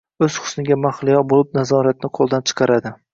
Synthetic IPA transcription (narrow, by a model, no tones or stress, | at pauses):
ɵz̥χʊ̥snɪɡʲamaχlˠɪjɒbolɪp̚nazɒɾat̪̚nɪqʰolˠd̪ant͡ʃʰɨ̥qʰɑɾad̪ɪ